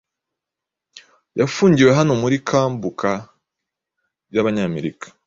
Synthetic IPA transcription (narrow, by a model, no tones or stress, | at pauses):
jafuːɲɟiwe̞ɦanomuɾikʰaːmbukʰa | jaβaɲaːme̞ɾikḁ